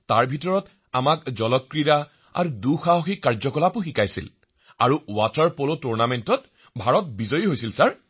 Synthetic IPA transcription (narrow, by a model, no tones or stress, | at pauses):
taɹbʱitɔɹɔt | amakzɔlɔkːɹida | a̰ɹuduxaɦoxikːaɹzɔkɔlapuxikajsḭl | aɹuwataɹpolotuɹnamentɔt̚ | bʱaɹɔt̚bizɔjiɦojsilsaɹ